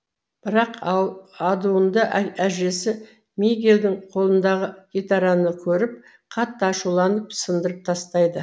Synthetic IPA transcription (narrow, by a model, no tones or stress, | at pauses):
b̥ɪɾɑqɑlˠɑd̪uənd̪əʔæʒe̞sɪ | meɡʲeld̪ɪɴqʰo̞lˠənd̪ɑʁəɡ̥ʲet̪ɑɾɑnəkʲʰɵɾɪp̚ | qʰɑt̪ːəɑʃulˠɑnəpsənd̪əɾəp̚t̪ʰɑst̪ɑjd̪ə